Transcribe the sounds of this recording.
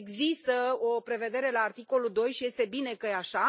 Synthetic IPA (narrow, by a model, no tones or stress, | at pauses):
eɡzist̪əo̞pɾe̞ve̞d̪e̞ɾe̞laːrt̪iko̞lud̪o̞jʃije̞st̪e̞bine̞kəjeaʃa